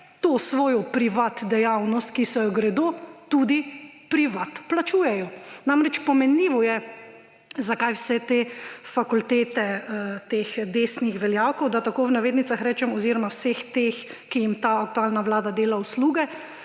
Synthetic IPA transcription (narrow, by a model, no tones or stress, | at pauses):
t̪oːsʋoːjɔpɾiʋat̪d̪ɛjawnɔst̪̚kisɔjɔɡɾɛd̪oːt̪ud̪i | pɾiʋat̪plat͡ʃuːjɛjɔnamɾɛt͡ʃpɔmɛnliːʋɔjɛ | zakajwsɛt̪eːfakult̪eːt̪ɛt̪eːxd̪eːsnixʋɛljawkɔwd̪at̪akoːwnaʋeːd̪nit̪saxɾɛːt͡ʃɛmɔziːɾɔmawsext̪ex | kijimt̪aːk̚t̪uaːlnawlaːd̪ad̪eːlausluːɡɛ